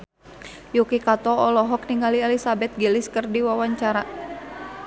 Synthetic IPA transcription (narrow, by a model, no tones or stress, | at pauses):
jukikat̪ɔɔlɔɦɔk̚niŋɡaliɛlisabɛt̪̚ɡiliskərdiwawaɲt͡ʃaɾa